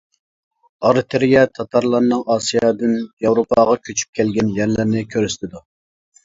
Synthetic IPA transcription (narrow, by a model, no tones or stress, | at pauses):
ɑɾɨt̪ʰeɾjɛt̪ʰɑt̪ʰɑɾlˠɑɾnɨŋɑːsijɑːd̪ɨnjɑwɾopʰɑʁɑkʲʰøt͡ʃʰy̥p̚kʲʰɛlɡʲɛnjæɾlɪɾnɪkʲʰøɾyst̪ɪd̪u